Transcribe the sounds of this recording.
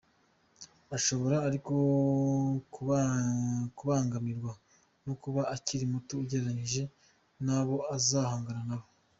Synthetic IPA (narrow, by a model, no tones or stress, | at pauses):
aʃo̞βo̞ɾaːɾiko̞ | ku | kuβaːŋɡamiɾɡwa | nokuβaaciɾimutuːɟeɾaɲiʒe̞ | naβo̞azaːhaːŋɡaɾanaβo